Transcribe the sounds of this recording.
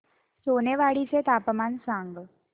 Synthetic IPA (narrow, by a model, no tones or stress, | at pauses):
soneʋaɽit͡set̪apəmaːnsãŋɡ